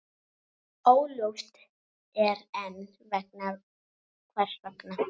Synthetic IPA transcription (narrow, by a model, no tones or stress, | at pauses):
oːwloft̪ | ɛɾɛn | vɛkna | kʰvɛr̥svɛkna